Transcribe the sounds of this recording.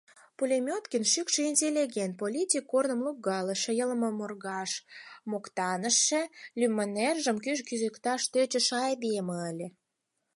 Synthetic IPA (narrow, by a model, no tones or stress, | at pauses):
pulʲemʲot̪kənʃykʃeinʲt̪ʲelʲiɣʲent̪̚polʲitʲikːornə̆mlukɣɑlə̆ʃĕjələməmorɣɑʃmokt̪ɑnəʃːĕlymːənerʒə̆mkyʒkyzəkt̪ɑʃt̪øt͡ɕə̆ʃɑjd̪ieməəlʲĕ